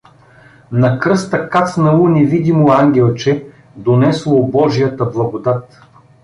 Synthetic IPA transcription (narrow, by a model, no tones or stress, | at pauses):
nɐkɾɤst̪ɐkat̪snɐlˠunʲɛvid̪imoaŋɡʲɛlˠt͡ʃɛ | d̪onɛslˠobɔʒijət̪əblˠɐɡod̪at̪